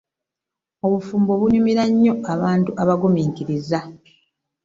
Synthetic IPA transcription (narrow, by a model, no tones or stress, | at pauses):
o̞βufuːmbo̞βunumiɾaɲːo̞aβaːntuʔaβaɡomiːŋkiɾiza